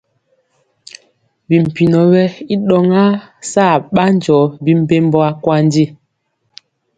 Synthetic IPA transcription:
bi˨m̩˨pi˨nɔ˨bɛ˦i˦ɗɔ˨ŋa˦saː˦˨ɓa˦n˦d͡ʒɔ˨˦bi˦m̩˦pe˦m˦bɔ˦a˦kwa˦n˦di˦˨

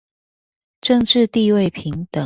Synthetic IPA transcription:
ʈ͡ʂɤ˥˧ŋʈ͡ʂɻ̩˥˧t̪i˥˧we˥˨˩ɪpʰi˨˦ŋt̪ə˨˩

